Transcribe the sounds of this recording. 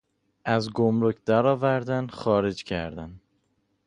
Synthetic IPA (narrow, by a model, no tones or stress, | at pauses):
ʔæzɡomɾocʰd̪æɾɒːvæɾd̪ænxɒːɾe̞d͡ʒcʰæ̰ɾd̪æn